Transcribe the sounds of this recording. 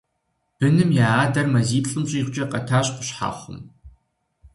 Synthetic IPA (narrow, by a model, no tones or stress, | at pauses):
b̥ɨnɨmjaːaːdɐrmɐziːɬʼɨmɕʼiːχʷt͡ʃʼɐqɐtʰaːɕʼqʷʊ̥ɕħa̰ːχʷʊ̰m